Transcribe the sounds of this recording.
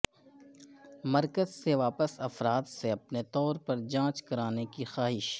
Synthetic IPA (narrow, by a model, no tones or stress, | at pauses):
mɐɾkəzseʋaːpəsɐfɾaːt̪seɐpnet̪ɔːɾpɐɾd͡ʒãːt͡ʃkɐɾaːnekixaːɦɪʃ